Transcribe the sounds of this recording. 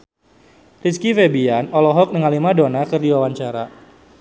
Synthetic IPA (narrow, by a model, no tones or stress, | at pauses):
riskifebianɔlɔɦɔk̚nəŋalimadonakɨrdiwawaɲt͡ʃaɾa